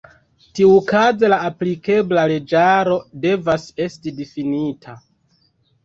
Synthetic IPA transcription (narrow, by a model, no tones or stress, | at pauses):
tiukazelaːplike̞blale̞d͡ʒaɾo̞de̞vase̞stidifinitʰa